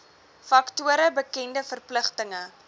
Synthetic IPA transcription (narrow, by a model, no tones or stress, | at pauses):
fɐktuəɾəbəkɛndəfərpləχtəŋə